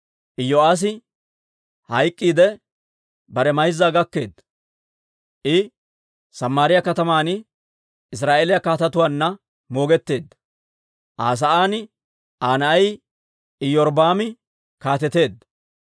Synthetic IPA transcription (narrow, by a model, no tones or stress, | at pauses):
ʔɪjːɔaːs̬ɪ | hɐjkʼːiːd̪ɛ | bɐɾɛmɐjzːaːɡɐkːe̞ːd̪ːɐ | ʔɪ | sɐmːaːɾɪjɐkɐt̪ɐmaːnɪ | ɪs̬ɾaːʔeːlɪjɐkaːt̪ɐt̪ʊwaːnːɐ | mo̞ːɡɛt̪ːe̞ːd̪ːɐ̥ | ʔaːs̬ɐʔaːnɪ | ʔaːnɐɐj | ɪjɔɾbaːmɪ | kaːt̪ɛt̪e̞ːd̪ːɐ